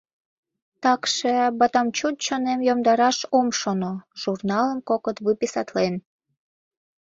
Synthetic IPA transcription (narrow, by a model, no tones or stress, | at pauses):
t̪ɑkʃebɑt̪ɑmt͡ɕut̪̚t͡ɕonemjomd̪ɑɾɑʃomʃonoʒ̥urnɑləmkokət̪βɨpisɑt̪len